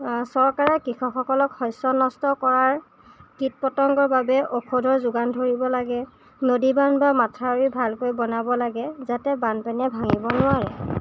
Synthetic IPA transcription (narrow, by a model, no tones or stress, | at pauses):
sɔɹkaɹɛkɹixɔxɔkɔlɔkhɔjsɔnɔstɔkɔɹaɹ | kit̚pɔtɔŋɡɔbabɛʔokʰodʱɔɹzʊɡandʱoɹibɔlaɡɛ | nodibanbamatʰaɹibʱalkojbɔnabɔlaɡɛzatɛbanpanɛbʱaŋibɔnʊaɹɛ̰